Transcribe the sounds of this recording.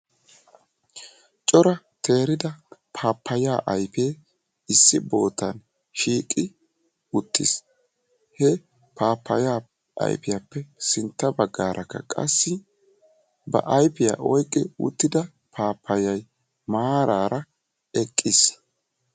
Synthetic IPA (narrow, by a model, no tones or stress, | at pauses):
t͡ʃʼɔɾɐ | t̪ʰe̞ːɾɪd̪ɐpʰaːpʰːɐjaːʔɐjpeː | ɪsːɪbo̞ːt̪ːɐn | ʃiːkʼɪ | ʊt̪ːɪ̰s | hɛ | pʰaːpːɐjaː | ʔɐ̰jpɪjɐpːɛsɪnt̪ːɐbɐɡːaːɾʔɐkːɐ̰kʼɐ̰sːɪ | bɐ̰ʔɐjpɪja̰ʔɔjkʼːɪʊ̰t̪ːɪd̪ɐ | pʰaːpʰːɐjɐj | maːɾʔaːɾɐ | ɛkʼːɪs